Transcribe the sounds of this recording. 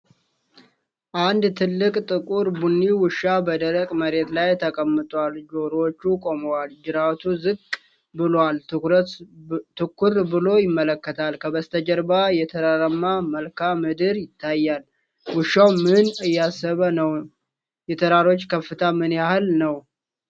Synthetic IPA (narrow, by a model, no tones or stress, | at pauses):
ʔand̪t̪ʰɨlːɨkʼt̪ʼɨkʼuɾbunːiwɨʃːabəd̪əɾəkʼməɾe̞t̪lajt̪ʰəkʼəmːɨt̪ʼwald͡ʒo̞ɾot͡ʃːukʼo̞məwald͡ʒɨɾat̪ʰuzɨkʼ | bɨlwal | t̪ʰɨkːuɾbɨlo̞jɪmːələkːət̪ʰalkʰəbəst̪ʰəd͡ʒəɾbajɛt̪ʰəɾaɾəmːaməlkʰamɨd̪ɨɾjɪt̪ʰːajːal | wɨʃːawmɨnɨjːasəβənəw | jɛt̪ʰəɾaɾo̞t͡ʃːkʰəfːɨt̪ʰamɨnjahɨlnəw